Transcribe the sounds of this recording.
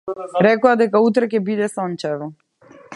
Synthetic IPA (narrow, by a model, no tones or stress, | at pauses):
ɾɛkɔad̪ɛkaut̪ɾakʲɛbid̪ɛsɔnt͡ʃɛvɔ